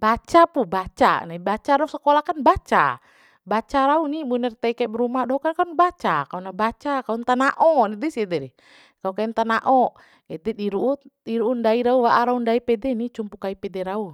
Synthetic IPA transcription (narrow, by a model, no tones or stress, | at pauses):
b̥at͡ʃapubat͡ʃa̰naibat͡ʃaɾausakɔlakanbat͡ʃa̰ | bat͡ʃaɾaunimunɛrt̪ɛikɛbɛɾumadɔɦkankaunbat͡ʃakaunabat͡ʃakaunt̪anaʔɔnidɛsiɛdɛɾi | kaukaint̪anaʔɔ | ɛt̪ɛdiɾuudiɾuːndaiɾauwaʔaɾaundaipɛdɛnit͡ʃumpukaipɛdɛɾau